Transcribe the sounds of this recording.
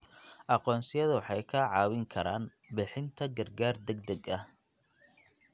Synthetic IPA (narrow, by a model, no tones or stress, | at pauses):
ʔɑqɔːnsɪjɐðʊwħɑjkʰɐːʕɑːwɪŋkʰɐɾaːn | bɪħɪnt̪ʰɐɡɐrɡaːrd̪ɛɡd̪ɛɡɐh